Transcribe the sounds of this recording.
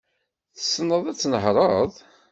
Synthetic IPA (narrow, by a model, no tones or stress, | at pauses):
θə̥snːəðˤæt͡sːnəɦɾˤɑðˤ